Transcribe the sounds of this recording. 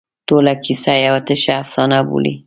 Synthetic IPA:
t̪olakʰisajawat̪əʃaːfsɑnabṵlḭ

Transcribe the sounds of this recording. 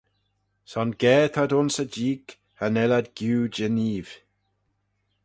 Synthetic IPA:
sɔnɡɛːt̪ʰadʊnsəd͡ʒiːk | anɛlad̪ɡ̥juːd͡ʒəniːv̥

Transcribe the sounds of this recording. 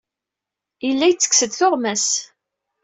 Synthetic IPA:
ilːæjt͡sːə̥ksəd̪θʊʁmæs

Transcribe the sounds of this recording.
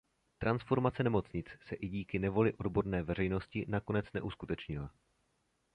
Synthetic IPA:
t̪ɾʔansfo̞ɾmat͡sɛnɛmo̞t͡sɲɪt͡ssɛʔɪɟiːkɪnɛvo̞lɪʔo̞dbo̞ɾnɛːvɛr̝ɛjno̞scɪnako̞nɛt͡snɛʔuskut̪ɛt͡ʃɲɪla

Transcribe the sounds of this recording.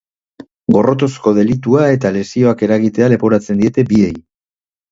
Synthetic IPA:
ɡo̞ro̞t̪o̞sko̞ðe̞lit̪uae̞t̪ale̞sio̞ake̞ɾaɣit̪e̞ale̞po̞ɾat͡send̪ie̞t̪e̞bie̞j

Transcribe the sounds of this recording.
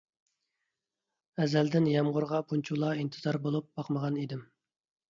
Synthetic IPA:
ɛzɛld̪ɪnjɛmʁʊɾʁɑpʰunt͡ʃʰulˠɑint̪ʰɨzɑɾbolˠup̚bɑqməʁɑnid̪ɪm

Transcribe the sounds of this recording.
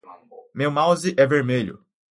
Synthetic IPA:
mewmawzɪʔɛveɾmeʎʊ̰

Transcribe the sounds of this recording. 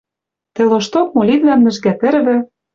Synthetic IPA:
t̪ĕloʃt̪ok̚molʲid̪læmnɘ̆ʒɡæt̪ɘ̆ɾβɘ̆

